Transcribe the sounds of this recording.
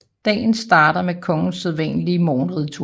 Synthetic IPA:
d̥ɛ̰ːn̩sd̥ɑ̈ːɾ̥ɐmekʰɒ̽ŋn̩seðˠʋɛ̰nəliəmoːnʁið̩ˠt͡sʰuː

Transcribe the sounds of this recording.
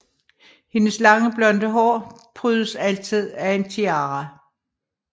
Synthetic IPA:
he̝nəslɑ̈ŋəb̥lɒ̽nd̥əɦɒ̰ːpʰʁyːðˠəsæl̰t͡sʰið̞̰ˠæe̝nt͡sʰiɑ̈ːʁɑ

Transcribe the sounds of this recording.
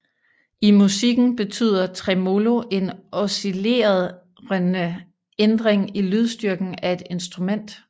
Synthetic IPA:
imusiɡ̥n̩b̥e̝t͡sʰy̰ːð̞̰ˠɐt͡sʰʁɛmo̝lo̝ʔe̝nɒsile̝̰ːɐð̞ˠ | ʁnə | end̥ʁeŋilyð̞ˠsd̥yɐɡ̥n̩æe̝d̥e̝nsd̥ʁumen̰d̥

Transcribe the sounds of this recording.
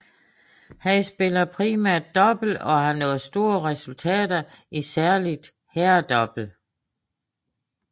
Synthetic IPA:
hæsb̥e̝lɐpʰʁiːmæɐ̰d̥̚ːɒ̽b̥l̩ɒ̽hɑnɔ̰̽ːð̩ˠsd̥o̝̰ːɐʁɛsult͡sʰɛ̰ːd̥ɐ | ʔisæɐlid̥ | hæɐd̥ɒ̽b̥l̩

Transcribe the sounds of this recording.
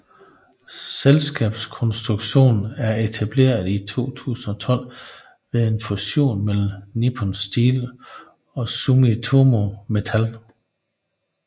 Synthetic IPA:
selsɡ̥ɛ̰ːb̥skʰɒ̽nsd̥ʁuɡ̥ɕo̝̰ːnæɐe̝t͡sʰæb̥le̝̰ːɐð̩ˠit͡sʰo̝̰ːt͡sʰṵːsn̩ɒ̽t͡sʰɒ̽l̰ | ʋe̝ðˠe̝nfuɕo̝̰ːnmel̰m̩nipʰonsd̥iːl | ɒ̽sumit͡sʰomo̝me̝t͡sʰæl

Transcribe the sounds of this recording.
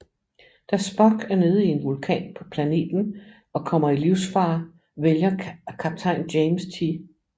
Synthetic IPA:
d̥æsb̥ɒɡ̥æɐne̝ːð̞̩ˠie̝nʋulkʰɛ̰ːnpʰɒ̥̽pʰlæne̝̰ːd̥n̩ | ɒ̽kʰɒ̽m̰ɐiliʊ̰sfɑ̈ː | ʋeljɐkʰæb̥̚t͡sʰɑ̈ɪnd̥jeɪmst͡sʰi

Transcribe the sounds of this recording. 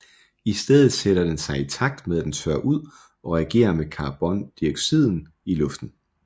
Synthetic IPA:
isd̥eð̞ˠð̩ˠseɾ̥ɐd̥ensɑ̈ɪit͡sʰɑ̈ɡ̥̚d̥meðˠæd̥ent͡sʰøɐ̰ʔuð̞̰ˠ | ɒ̽ʁɛæɡ̥e̝̰ːɐmekʰɑ̈ːb̥ɒ̽nd̥ieɡ̥sið̞̰ˠn̩ | ilɔ̽fd̥n̩

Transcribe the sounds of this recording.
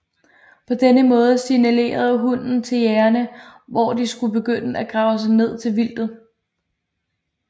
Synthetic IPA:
pʰɒ̽d̥enəmɔ̽ːð̞ˠəsinæle̝̰ːɐð̞ˠɦun̰n̩t͡sʰe̝ljæːɐnəʋɒd̥isɡ̥ub̥e̝ɡ̥øn̰əæɡ̥ʁɑ̈ʊəs̬ɑ̈ɪne̝ð̞̰ˠt͡sʰe̝lʋil̰d̥ð̩ˠ

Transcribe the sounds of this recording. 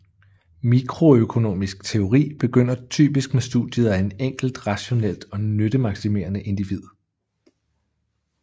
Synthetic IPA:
mikʰʁo̝økʰo̝no̝̰ːmisɡ̥̚t͡sʰe̝o̝ʁḭːb̥e̝ɡ̥øn̰ɐt͡sʰy̰ːb̥isɡ̥mesd̥ṵðd̥ˠjəð̞̩ˠæe̝neŋ̰ɡ̥l̩d̥ʁɑ̈ɕo̝nel̰d̥ɒ̽nød̥əmɑ̈ɡ̥sime̝̰ːɐnəʔe̝nd̥iʋið̰ˠ

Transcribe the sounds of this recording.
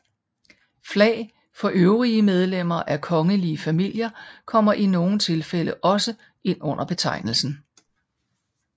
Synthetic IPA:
flɛ̰ɪ | fɒ̽ʔøʊʁiəmeð̞ˠlem̰ɐʔækʰɒ̽ŋəliəfæmil̰jɐkʰɒ̽m̰ɐʔino̝ːn̩t͡sʰe̝lfeləʔɒ̽sə | ʔe̝n̰ɔ̽n̰ʔɐb̥e̝t͡sʰɑ̈ɪnl̩sn̩

